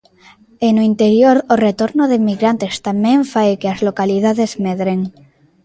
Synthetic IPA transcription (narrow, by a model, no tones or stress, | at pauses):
enoint̪eɾjoɾoret̪oɾnoðemiɣɾant̪est̪amẽɱfajkeazlokalið̞aðezmeðɾeŋ